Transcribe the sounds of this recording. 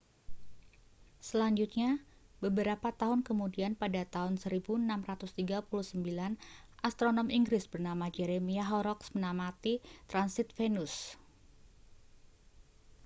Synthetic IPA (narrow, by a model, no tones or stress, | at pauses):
səlaɲd͡ʒut̪̚ɲabəbəɾapat̪aɦʊnkəmudianpadat̪aɦʊnsəɾibuənamrat̪ʊst̪iɡapuluhsəmbilan | ʔast̪ɾonɔmiŋɡɾɪsbərnamad͡ʒeɾemiaɦɔɾɔksmənamat̪it̪ɾansɪt̪̚fenʊs